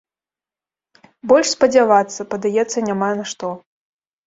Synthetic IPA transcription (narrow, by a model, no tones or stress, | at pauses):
bɔlʲʂspɐd͡zʲavat̪sːɐpɐd̪ajɛt̪sːɐnʲamanaʂt̪ɔ